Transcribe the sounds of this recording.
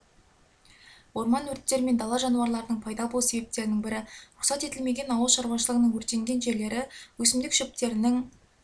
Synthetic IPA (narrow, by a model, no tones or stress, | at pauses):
wo̞ɾmɑnwɵɾt̪ːe̞ɾɪme̞nd̪ɑlˠɑʒɑnuɑɾlˠɑɾənəɴpʰɑjd̪ɑbo̞lˠuse̞be̞p̚t̪e̞ɾɪnɪŋbɪɾɪɾʊqsɑt̪e̞t̪ɪlme̞ɡʲenɑwəlˠʃɑɾwɑʃəlˠəʁənəɴwɵɾt̪e̞ŋɡʲe̞nʒe̞ɾle̞ɾɪwɵsɪmd̪ɪkʃɵp̚t̪e̞ɾɪnɪŋ